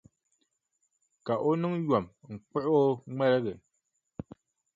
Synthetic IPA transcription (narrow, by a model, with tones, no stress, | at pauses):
ka˨ʔo˦nu˦ŋjwa˨mŋ̩˨k͡pɛ˦ʔo˦ŋ͡mɛ˦lɛ˦ɣɛ˨